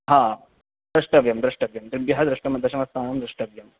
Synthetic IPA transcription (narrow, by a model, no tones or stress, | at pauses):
ɦa | d̪ɾɐʂʈɐʋjɐmd̪ɾɐʂʈɐʋjɐmd̪ɾibjɐɦad̪ɾɐʂʈɐmɐd̪ɐɾɕɐmɐst̪ʰaːnɐmd̪ɾɐʂʈɐʋjɐm